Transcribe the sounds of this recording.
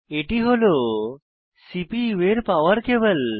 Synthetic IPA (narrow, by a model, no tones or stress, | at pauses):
eʈiɦolo | sipiʋeɾpaʋəɾkebəl